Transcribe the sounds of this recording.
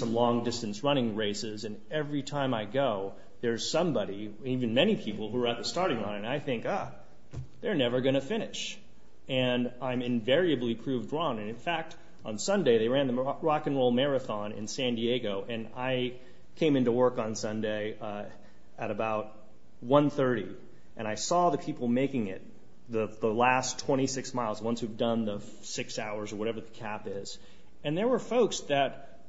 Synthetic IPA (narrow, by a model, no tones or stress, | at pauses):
sʌ̃mlɔ̃ŋdɪstɨn̩sɹʌñɪ̃ŋɹeɪsɪzɨ̃n | ɛvɹitʰãɪ̃maɪɡoʊ | ðə˞z̥sʌ̃mbɑɾi | ivɨ̃nmɛñipʰipl̩ˠhuə˞aʊt̪̚ðɨstɑɹɾɪ̃ŋə̃nɨ̃naɪθɪ̃ŋkʌ | ðə˞nɛvə˞ɡʌñɨfɪ̃nɪʃ | ɨ̃nãɪ̃mɨ̃ɱvɛɹiɨblipʰɹ̥ʉvdɹɔ̃nɨ̃nɨ̃nfæk̚t | n̩sʌ̃ndeɪðeɪɹæ̃nðəɹɑkɨ̃nɹoʊlˠmɛɹɨθɑ̃nɪ̰̃nsæ̃ndieɪɡoʊʔɨ̃na̰ɪ | kʰẽɪ̃mɪ̃ntuwɜ˞kn̩sʌ̃ndeɪ | ɨɾɨbaʊt̚ | wʌ̃nθɜ˞ɾi | ʔɨ̃ɾ̃aɪsɔðɨpʰipl̩ˠmeɪkɪ̃ŋɪ̰t̪̚ | ðəðəlæstʰw̥ɛ̃ɾ̃isɪksmaɪlˠzwʌ̃nshʉvdʌ̃nðə | sɪksaʊə˞zə˞wʌɾɛvə˞ðɨkʰæpɪz̥ | ɨ̃nðə˞wə˞foʊksðɨt̚